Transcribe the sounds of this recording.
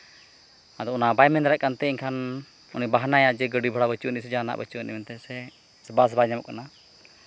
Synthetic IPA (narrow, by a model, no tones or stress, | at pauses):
ad̪ɔɔnabajmɛnɾɛʔ̚kant̪ɛiɲkʰan | unibaɦnajaʔd͡ʒɛɡəɖibʱɔɽabət͡ʃuʔnisɛd͡ʒana̰ʔbət͡ʃunʔḭmɛnt̪ɛsɛ | sɛbas̬bajɲamɔkana